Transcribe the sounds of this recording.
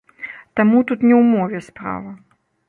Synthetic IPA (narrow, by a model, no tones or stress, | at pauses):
t̪amut̪ut̪nʲɛwmɔvʲɛspɾa̰vɐ